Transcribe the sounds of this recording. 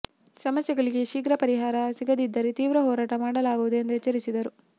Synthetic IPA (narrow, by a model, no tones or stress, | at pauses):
sɐmɐsjɐɡɐɭiɡeʃiːɡɾɐpɐɾiɦaːɾɐsiɡɐd̪id̪ːɐɾet̪iːʋɾɐɦɔːɾaːʈɐmaːɽɐlaːɡuʋud̪uend̪ɛt͡ʃːɐɾisid̪ɐɾu